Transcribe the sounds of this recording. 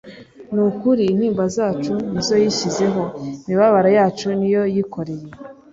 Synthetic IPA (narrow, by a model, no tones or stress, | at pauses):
nukuɾiːn̥hiːmbazaːt͡ʃunizo̞jiʃize̞ɦo̞imiβaβaɾajaːt͡ʃunijo̞jiko̞ɾe̞je̞